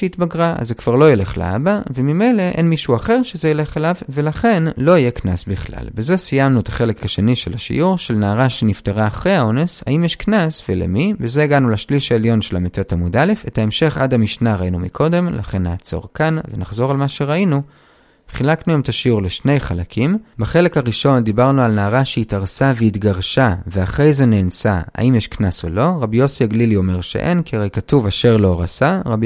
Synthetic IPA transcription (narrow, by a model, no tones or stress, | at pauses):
eit̪baɡʁaa̰zekv̥aʁlo̞jele̞χlḛa̰bavemime̞jle̞ʔenmiʃuaχe̞ʁʃe̞zejele̞χelavve̞laχe̞nlo̞ije̞knasbiχla̰lbezesijamnuet̪ḁχe̞le̞khaʃeniʃelaʃḭʔuʁʃe̞lnaːʁaʃenifteʁaːχʁejaonesha̰imjeʃknasvelḛmibeze̞iɡanulaʃliʃaeljo̞nʃelametotamudale̞fe̞tae̞mʃe̞χa̰damiʃnaʁainumḭkʰo̞de̞mla̰χe̞nːaːt͡so̞̰ʁkanvenaχzo̞ʁalmaʃe̞ʁainu | χilaknuemet̪ʰaʃiuʁleʃne̞jχalakʰimbaχe̞le̞khaʁiʃo̞nd̪ibaʁnualnaːʁaʃeitaʁsaveit̪ɡaʁʃaveaχʁe̞jze̞neːnsaa̰ʔimjeʃknaso̰lo̞ʁabijo̞siaɡlilio̞me̞ʁʃḛʔe̞nkiʁejkatuvaʃe̞ʁlo̞ʁasaʁab